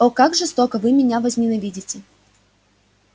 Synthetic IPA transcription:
okakʐɨst̪okəvɨmʲɪnʲavəzʲmʲɪnɐvʲidʲɪtʲɪ

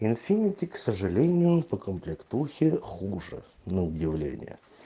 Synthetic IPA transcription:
ɪnfʲinʲɪtʲɪksəʐɨlʲenʲɪjʊpəkəmplʲɪkt̪uxʲɪxuʐɨ̰nəʊdʲɪvlʲḛnʲɪ̰jə̰

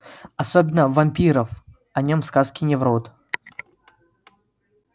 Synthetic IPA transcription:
ɐsobʲɪnːəvɐmʲpʲiɾəf | ɐnʲomskaskʲɪnʲɪvɾot̪

